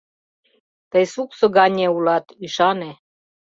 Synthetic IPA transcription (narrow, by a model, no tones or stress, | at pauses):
t̪əjsuksoɡɑnʲeulɑt̪yʃɑne